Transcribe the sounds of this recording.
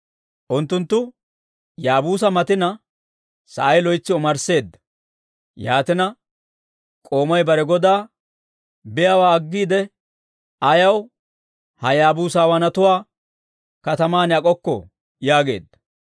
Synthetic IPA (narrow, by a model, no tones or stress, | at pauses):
ʔʊnt̪ːʊnt̪ːʊ | jaːbuːs̬ɐmɐt̪ɪnɐ | sɐ̰ʔɐjlɔjt͡sːɪɔmɐɾse̞ːd̪ːɐ̥ | jaːt̪ɪnɐ | kʼo̞ːmɐjbɐɾɛɡɔd̪aː | bɪjawaːɐɡːiːd̪ɛ | ʔɐjɐw | hɐjaːbuːsaːwɐnɐt̪ʊwaː | kɐt̪ɐmaːnɐkʼɔkːɔ̰ | jaːɡe̞̰ːd̪ːɐ̥